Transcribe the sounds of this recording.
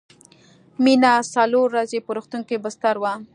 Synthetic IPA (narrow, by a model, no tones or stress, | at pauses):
minasaloɾːazepəɾoxt̪uŋkebəst̪aɾwa